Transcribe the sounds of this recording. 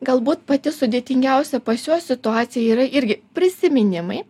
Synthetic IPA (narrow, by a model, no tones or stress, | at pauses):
ɡɐlˠbuːt̪pɐt̪ʲɪsʊd̪ʲeːt̪ʲɪŋʲɡʲɛˑʊsʲɛpɐsʲoːsʲɪt̪ʊɑːt̪sʲɪjɛiːɾɐʔɪɾʲɡʲɪpʲɾʲɪsʲɪmʲɪnʲɪmɐɪ